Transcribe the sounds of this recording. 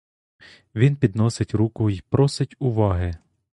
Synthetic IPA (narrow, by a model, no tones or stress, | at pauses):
ʋʲinpʲid̪nɔsɪtʲɾukʊipɾɔsɪtʲʊʋɑɦɪ